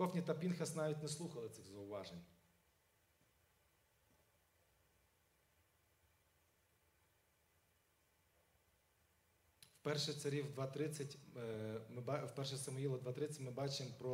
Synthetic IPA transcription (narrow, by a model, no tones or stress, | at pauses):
ɔxnʲit̪ɐpʲinxɐsnɑʋʲit̚ʲnɛslˠuxɐlˠɪt̪sɪɣzɐʊʋɑʒenʲ | wpɛrʃɛsɐɾʲiwd̪ʋɑt̪ɾɪt͡sʲːɐtʲ | mwpɛrʃɛsɐmʊjilˠɐd̪ʋɑt̪ɾɪt͡sʲːɐtʲmɪbɑt͡ʃɪmpɾɔ